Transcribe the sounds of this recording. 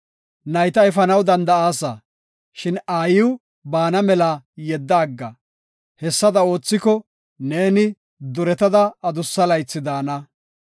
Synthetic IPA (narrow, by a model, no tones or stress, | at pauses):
nɐjt̪ɐɛfɐnɐwd̪ɐnd̪ɐaːsɐ | ʃɪnaːjɪw | baːnɐmɛlajɛd̪ːaːɡːɐ | hɛsːɐd̪ɐo̞ːt͡sːɪkɔ | ne̞ːnɪ | d̪ʊɾɛt̪ɐd̪ɐːd̪ʊsːɐlɐjt͡sːɪd̪aːnɐ